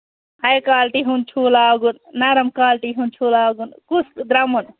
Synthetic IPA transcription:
ɐjkaːlʈiɦunt͡ʃʰuːlaːɡunnɐɾɐmkaːlʈiɦunt͡ʃʰuːlaːɡunkusd̪ɾamun

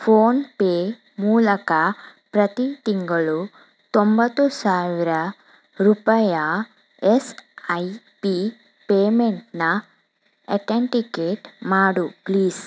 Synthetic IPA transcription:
pʰoːnpeː | muːlɐkɐpɾɐt̪it̪iŋɡɐɭu | t̪ombɐt̪ːusaːʋiɾɐ | ɾupɐjɐ | esɐj | pi | peːmeɳʈnɐ | eʈeɳʈikeːʈmaːɽupliːs

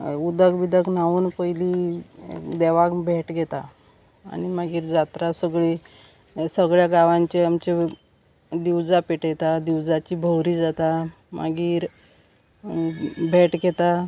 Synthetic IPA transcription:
ud̪əɡbid̪əknaʋuːnpəjliː | d̪eʋakbʱeʈɡʱɛt̪a̰ː | ñimaɡiːɾd͡zat̪ɾasəɡɭiː | səɡɭjaɡaʋãɲt͡ɕeamt͡ɕe | d̪iwd͡zapeʈjet̪ad̪iwd͡zat͡ɕiːbʱəwɾiːd͡zat̪a | mʔa̰ɡiːɾ | bʱeʈɡʱɛt̪a

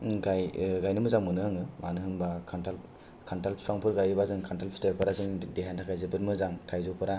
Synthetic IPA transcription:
ɡajɡajnɯmɯzaŋmɯnɯaŋɯmanɯɦɯmbakʰantal | kʰantalpʰi̥pʰaŋpʰɯɾɡajibazɯŋkʰantalpʰi̥staɾpʰɯɾazɯŋdeɦantʰakʰajzɯbɯtmɯzaŋtʰajzupʰɯɾa

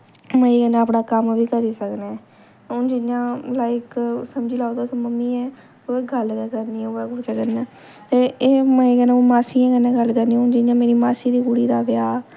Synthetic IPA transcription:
mə̃ːekɛ̃nãːəpɽaːkəmʋiːkəɾiːsəknẽː | ʊnd͡ʒɪnjãːlaːɪksəmd͡ʒiːlaːod̪aːsməmːiːɛː | oːeːɡəlkːkəɾniːɛoːɛːkːsəkənɛː | t̪eːeːmɛ̃eːkɛːnãːoːmaːsiːãːkɛːnẽːɡəlkəɾniʊnd͡ʒɪnjãːmeːɾiːmaːsiːd̪iːkuɽiːd̪aːbɪjaː

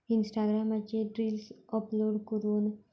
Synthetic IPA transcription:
insʈaɡɾamat͡ʃeɖɾiːlsɔploːɖkəɾuːn

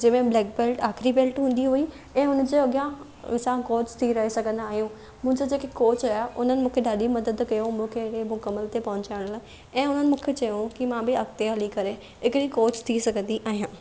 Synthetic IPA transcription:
d͡ʑɐ̃ːmẽblɛːk̚beːlʈaːxɾibeːlʈɦũːn̆d̪iɦui | ɛ̃ːʊnəd͡ʑeɐɠjã | sãkoːt͡ɕt̪ʰiɾɐɦesɐɡʱə̃nd̪aːɦijũ | mʊ̃ɦɪ̃ɲd͡ʑod͡ʑeːkekoːt͡ɕaːʊ̰n̤ənɪ̆mũːkʰeɗaːɗimɐd̪əd̪kɐjomũkʰeɪkemʊkɐmːəlt̪epɐɦʊ̃ɲt͡ɕaːɪɽ̃laː | ɛ̃ːʊn̤ənɪmũːkʰet͡ɕɐjũkimãbɪɐkt̪eɦɐlikɐɾe | ɦɪkɽikoːt͡ɕt̪ʰisɐɡʱə̃nd̪iʔaːɦijãː

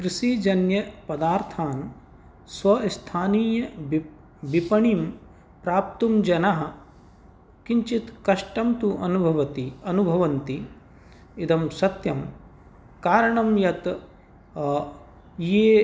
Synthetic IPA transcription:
kɾiʃid͡ʒɐnjɐpɐd̪aːɾt̪ʰaːn | sʋɐst̪ʰaːniːjɐb | bipɐɳim | pɾaːp̚t̪umd͡ʒɐnɐɦɐ̆ | kiɲt͡ʃit̪kɐʂʈɐmt̪uʔɐnubʱɐʋɐt̪iɐnubʱɐʋɐnt̪i | id̪ɐmsɐt̪jɐm | kaːɾɐɳɐmjɐt̪ | jeː

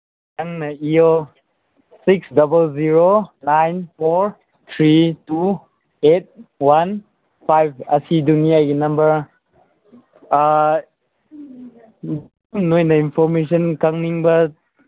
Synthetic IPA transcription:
taŋnɐio | siksdɐbəlziɾonajnpʰoɾ | t̪ʰɾitu | et̚wan | pʰajb̚ɐsidunijaɡinɐmbɐɾ | mnojnɐinpʰɔɾmes̬ɔnkaŋniŋbɐ

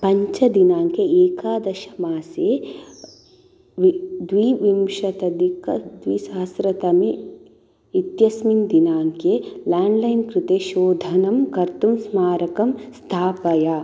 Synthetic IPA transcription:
pɐɲt͡ʃɐd̪inaːŋkeeːkaːd̪ɐʃɐmaːseː | ʋid̪ʋiːʋimʃɐt̪ɐd̪ikɐd̪ʋiːsaːsɾɐt̪ɐmiː | t̪jɐsmind̪inaːŋkelaːɳɖlɐjnkɾut̪eːʃoːd̪ʱɐnɐmkɐɾt̪umsmaːɾɐkɐmst̪ʰaːpɐja

